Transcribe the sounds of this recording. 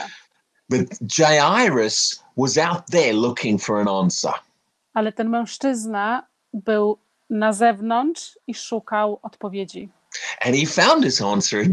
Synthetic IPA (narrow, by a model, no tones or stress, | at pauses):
b̥ɨt̚d̥ʒ̥eɪaɪɹɨs | wʌzaʊt̪̚ðə˞lʊkʰɪ̃ŋfə˞ə̃næ̃nsə̰˞ | alɛt̪ɛnmɛ̃w̃ʂt͡ʂɘzna | bɘw | nazɛvnɔnʂiʂukawɔt̪pɔvʲjed͡ʑi | ʔɨ̃nifãʊ̃nd̥̚ɨzæ̃nsə˞ɨ